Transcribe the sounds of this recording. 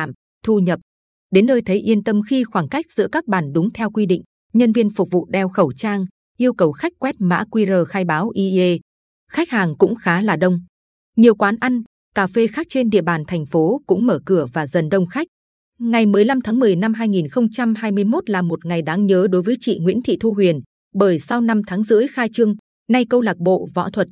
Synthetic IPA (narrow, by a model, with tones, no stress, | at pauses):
a˧˩˨m | t̪ʰu˧ɲə˨˩p̚ | ɗe˨˦nːəː˧jt̪ʰə˨˦jʔi˧ənt̪ə˧mxi˧xwaː˧˩ŋka˦˥jk̟̚z̥ɨ̰˧˥əkaː˦˥k̚ɓaː˧˩nɗʊ˨˦ŋ͡mt̪ʰɛ˧wkwi˧ɗḭ˧˨ŋ̟ | ɲə˧nvi˧ənfʊ˨˩k͡p̚vṵ˧˨ɗɛ˧wxə˧˩wt͡ɕaː˧ŋ | ʔi˧əwkə˨˩wxa˦˥jk̟̚kwɛ˦˥t̚ma̰ː˧˥kwi˧zəː˨˩xaː˧jɓaː˨˦wʔi˧e˧ | xa˦˥k̟̚haː˨˩ŋkʊ̰˧˥ŋ͡mxaː˨˦laː˨˩ɗə˧wŋ͡m | ɲi˨˩əwkwaː˨˦nʔa˧ŋ̟ | kaː˧˩fe˧xaː˦˥k̚t͡ɕe˧nɗḭ˧˨əɓaː˨˩nt̪ʰɛ˨˩jŋ̟fo˨˦kʊ̰˧˥ŋ͡mməː˧˩kɨ˧˩əvaː˨˩zə˨˩nɗə˧wŋ͡mxa˦˥k̟̚ | ŋa˨˩jmɨ˨˩əjla˧mt̪ʰaː˨˦ŋmɨ˨˩əjna˧mɦaː˧jŋi˨˩nxə˧wŋ͡mt͡ɕa˧mɦaː˧jmɨ˧əjmo˦˥t̚laː˨˩mo˨˩t̚ŋa˨˩jɗaː˨˦ŋɲəː˨˦ɗo˨˦jvəː˨˦jt͡ɕḭ˧˨ŋwḭ˧˥ənt̪ʰḭ˧˨t̪ʰu˧ɦwi˨˩ən | ɓəː˧˩jsa˧wna˧mt̪ʰaː˨˦ŋzɨ̰˧˥əjxaː˧jt͡ɕɨ˧əŋ | na˧jkə˧wlaː˨˩k̚ɓo̰˧˨vɔ̰˧˥t̪ʰwə˨˩t̚